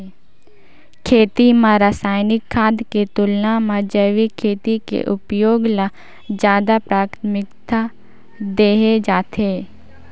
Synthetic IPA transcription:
kʰeːt̪imãɾasaːjnɪkʰːaːd̪ket̪ʊlnamãd͡ʒəʋikʰːeːt̪ikḛʔʊpjoːɡla | d͡ʒjaːd̪apɾaːkt̪mɪkt̪a | d̪eːɦed͡ʒaːt̪eː

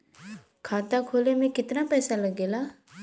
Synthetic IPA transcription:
kʰaːt̪akʰoːlemẽkɪt̪napɛːsalɐɡeːlaː

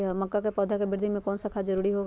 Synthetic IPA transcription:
mɐkːakepɔːd̪ʱakebɪɾd̪ʱimẽkɔːnsakʰad͡ʒɐɾuːɾiɦoː

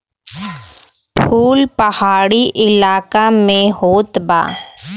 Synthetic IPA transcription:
pʰuːlpɐhaːɽiʔɪlaːkamẽɦoːt̪ba̰ː

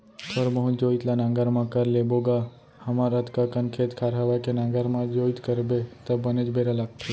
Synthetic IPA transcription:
t̪ʰoɾməɦũd͡ʒoːit̪lanãːŋɡəɾmãkəɾleboɡa | həmaɾət̪kakənkʰeːt̪kʰaːɾɦaʋakenãːŋɡəɾmãd͡ʒoːit̪kəɾbet̪əbəned͡ʒbeɾalak̚t̪ʰe

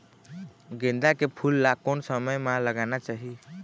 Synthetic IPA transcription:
ɡẽnd̪akepʰulːakonsəməjmãləɡanat͡ʃaɦi

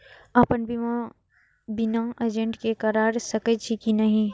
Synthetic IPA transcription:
ɐpənbʱi | binãːɐd͡ʒẽɳʈkekɐɾaːɾsɐkət͡ʃʰikinɐɦĩ

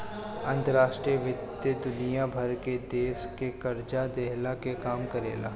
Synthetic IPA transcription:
ɐ̃nt̪əɾaːʃʈɾijəʋɪt̪jəd̪ʊnijabʱɐɾked̪eːʃkekɐɾd͡ʒad̪eɦlakekaːmkɐɾḛːla̰ː

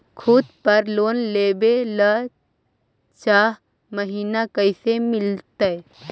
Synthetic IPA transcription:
kʰʊd̪pəɾloːnleːbelə | t͡ʃaːɦ | məɦiːnakəɪsemɪlt̪ə

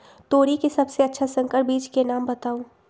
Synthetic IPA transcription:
t̪oːɾikesɐbseɐtːʃʰasə̃ŋkəɾʈ̚biːd͡ʒkenaːmbɐt̪aːũː

